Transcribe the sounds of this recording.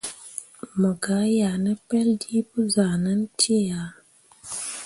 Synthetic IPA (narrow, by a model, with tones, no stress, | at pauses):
mə˨ɡa˨˦ja˨nə˦pɛ˦ldi˦pə˦za˨nə˦n˦tʰe˦ja˨˦